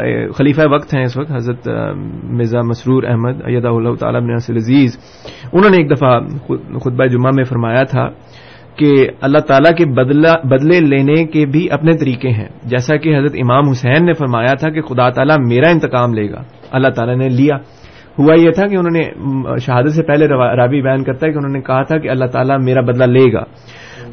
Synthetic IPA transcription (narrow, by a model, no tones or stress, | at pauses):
xɐliːfaeʋɐkt̪ɦɛ̃ɪsʋɐk̚t̪ɦɐzɾət̪ | mɪzamɐsɾuːɾɛ̰ɦməd̪ɐ̰jːɐd̪aːɦʊlaːɦʊt̪a̰ːlaɪbneɐsɪlɐziːz | ʊnɦõːneːk̚d̪ɐfaxʊt̪̚baed͡ʒʊmamẽfɐɾmaːjat̪ʰa̰ | keɐlːaɦt̪aːlakebɐd̪leleːnekebʱiʔɐpnet̪ɐɾiːkẽɦɛ̰̃ːd͡ʒɛːsakeɦɐzɾət̪ɪmaːmɦʊsɛːnːefɐɾmaːjat̪ʰak̬exʊd̪aːt̪aːlameːɾaɪ̃nt̪ɪqaːmleːɡa̰ː | ɐlːaɦt̪aːlanelijaː | hʊajet̪ʰakeʊnõːneʃɐɦaːd̪ət̪sepɛɦleɾaːʋibɐjaːnkɐɾt̪aɦɛkeʊnɦõːnekɐɦat̪ʰakeɐlːaɦt̪aːlameːɾabɐd̪laleːɡa̰ː